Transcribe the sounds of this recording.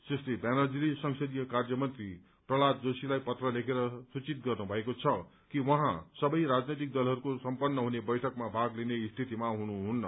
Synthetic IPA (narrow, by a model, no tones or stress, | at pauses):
seslebanʌd͡zilisʌŋsʌd̪ijʌkard͡zʌmʌnt̪ri | prʌɭat̪̚d͡zosilajpʌt̪rʌlekʰeɾʌsut͡sit̪̚ɡʌrnubʱʌekot͡sʰʌ | kiwʌɦãsʌbʌjɾad͡znʌjt̪̬ik̚d̪ʌlɦʌɾukosʌmpʌnːʌɦunebʌjʈʰʌkmabʱaɡlineist̪ʰit̪imaɦunuɦunːʌ